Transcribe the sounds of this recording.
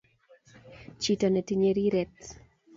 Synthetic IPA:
t͡ʃitɔnɛtiɲeɾiɾɛt̪

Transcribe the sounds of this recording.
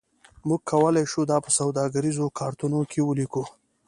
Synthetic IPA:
muɡ̚kʰːawəlajʃud̪ɑpəsawd̪ɑɡaɾizokʰɑɾt̪unokʰewəliku

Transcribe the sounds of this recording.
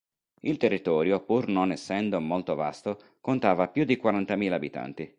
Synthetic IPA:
ilt̪erːit̪ɔːɾjopurnonɛsːɛnd̪omolt̪ova̰st̪o | kont̪aːvapjud̪ikwaɾant̪amiːlaːbit̪a̰nt̪i

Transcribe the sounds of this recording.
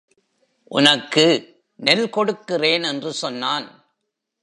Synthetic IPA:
ʔʊ̰nɐkːɯ | nɛlkɔɽɯkːɪreːnɛndrɯsɔnːaːn

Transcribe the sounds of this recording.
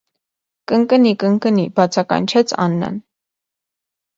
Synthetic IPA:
kəŋkənikəŋkənibɑt͡sʰɑkɑ̰nt͡ʃʰɛt͡sʰɑ̰nːɑ̰n

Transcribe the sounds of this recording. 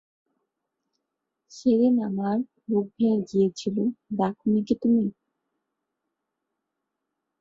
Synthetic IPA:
ʃeɾenamaɾ | loɡ̚bʱed͡ʑijet͡ɕʰilod̪akʰunikit̪umi

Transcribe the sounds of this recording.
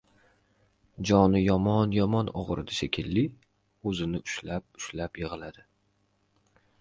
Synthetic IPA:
d͡ʒɒnɪjɒmɒnjɒmɒnɒ̰ʁɾɪ̰d̪aʃekʲʰɪlːi | ɵzɪnɪʊʃlap̚ʊʃlapjɪʁɨlad̪ɪ

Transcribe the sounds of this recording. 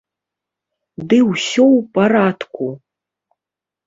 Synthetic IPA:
d̪ɨwsɔwpʼaɾad̪kʷu

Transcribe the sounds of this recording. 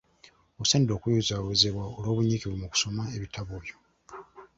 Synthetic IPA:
oseːndo̞ːkujuzaβuzeβwaolo̞ːβuɲiːkiβumuku̥so̞maeβitʰaβoːjo

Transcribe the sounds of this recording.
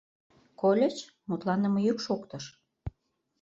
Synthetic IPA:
kolʲet͡ɕ | mut̪lɑnə̆məjykʃokt̪ə̆ʃ

